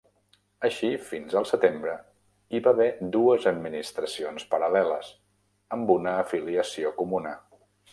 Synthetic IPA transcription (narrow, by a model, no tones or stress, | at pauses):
əʃifinzəlˠsət̪embɾə | iβaβɛd̪uəzəd̪̚minist̪ɾəsionspəɾəlɛləz | əmbunəːfiliəsiokumunə